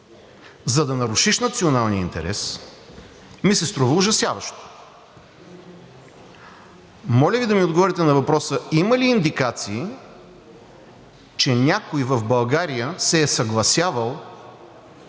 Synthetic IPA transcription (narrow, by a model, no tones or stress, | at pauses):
zɐd̪ɐnɐɾuʃiʃnɐt̪sionalˠnʲiəint̪ɛ̰ɾʔɛ̰s | misɛst̪ɾɔvəʊʒɐsjavɐʃt̪o̥ | mɔlʲəvid̪ɐmiod̪ɡovɔɾʲit̪ɛnɐvɐpɾɔsəiməliːnd̪ikat̪siː | t͡ʃɛnʲakojvəvbɐlˠɡaɾijəsɛːsɐɡlˠɐsʲjavəlˠ